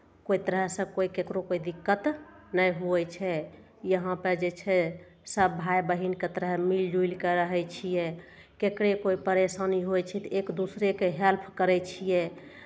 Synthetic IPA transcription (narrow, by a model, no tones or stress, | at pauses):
kojt̪əɾəɦsə̃koikekɾokoid̪ikːət̪nəjɦuɛt͡ʃʰɛ | jəɦãpəɾd͡ʒet͡ʃʰɛ | səbːʱajbəɦinket̪əɾɦmild͡ʒuilkɛɾəɦɛt͡ʃʰijɛ | kekɾekoipəɾesaniɦojt͡ʃʰɛt̪ekd̪usɾekeɦɛlpʰkəɾɛt͡ʃʰijɛ